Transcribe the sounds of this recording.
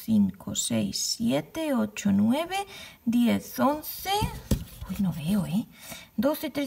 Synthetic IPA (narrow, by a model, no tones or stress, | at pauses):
θiŋkʰo̰sejsːjet̪eot͡ʃonweβed̪jeθonθepojnoβeoed̪oθet̪ɾe